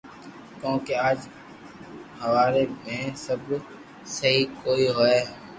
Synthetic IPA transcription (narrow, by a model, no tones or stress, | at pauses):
kjõːkeaːd͡ʒ | ɦəʋaːɾemẽsəb | səɦikoːiɦoe